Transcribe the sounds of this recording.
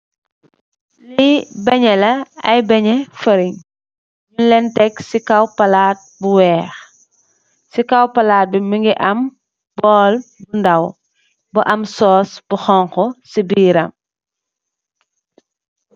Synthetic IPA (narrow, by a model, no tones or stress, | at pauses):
libɐɲɛlɐɐ̰jbɐɲɛfɐɾiɲ | ɲulɛntɛksikɐwpɐlaːt̚buwɛːx | sikɐwpɐlaːt̚bimiŋɡiʔɐm | bɔːlbundɐw | bɐʔɐmsɔːsb̥uxɔŋxɔsibiːɾɐ̰m